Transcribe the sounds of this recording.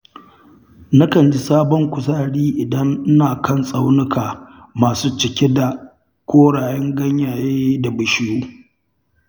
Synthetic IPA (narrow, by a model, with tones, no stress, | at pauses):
na˦kɐ˨nd͡ʒi˦saː˦bɔ˦ŋkʷʊ˨saː˦ɽiː˦ʔɪ˨dɐ˦n˦naː˨kɐ˦˨nsʼa˦wnʊ˦kaː˨ | maː˨suː˦t͡ʃɪ˨kʲe˦da˨ | kʷoː˦ɽaː˨jɛ˦ŋɡɐ˦ɲjaː˨jeː˦da˨bɐ˨ʃɪ˦juː˦